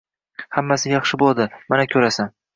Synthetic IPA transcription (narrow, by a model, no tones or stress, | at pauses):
hamːasɪjɑχʃɪbolˠd̪ɪmanakʲʰɵɾasan